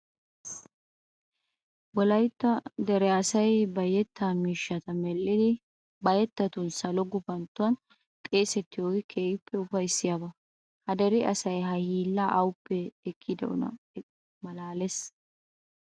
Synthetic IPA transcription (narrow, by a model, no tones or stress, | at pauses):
wɔlɐjt̪ːɐd̪ɛɾɛɐsɐjbɐjɛt̪ːaːmiːʃːɐt̪ɐmɛlːɪd̪ɪ | bɐjɛt̪ːɐt̪ʊnsɐlɔɡʊbɐnt̪ːʊwɐn | k̪ʼeːsɛt̪ːɪjoːɡɪkʰeːjɪpːɛʊfɐjsːɪjabɐ | hɐd̪ɐɾɪʔɐsɐjɦɐhiːlːɐʔɐwʊpːɛɛkʰːɪd̪ɐ̰ʔʊ̰nɐ̰ | mɐlaːles